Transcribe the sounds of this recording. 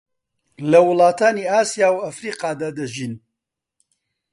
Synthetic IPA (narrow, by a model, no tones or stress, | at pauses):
lɐwʊlˠɑːt̪ʰaːniːaːsijaːwɐfɾiːqɑːd̪aːd̪ɐʒiːn